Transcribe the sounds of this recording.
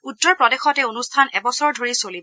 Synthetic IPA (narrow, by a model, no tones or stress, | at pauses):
utːɔɹpɹɔdexɔtɛonustʰanɛbɔsɔɹdʱoɹisolib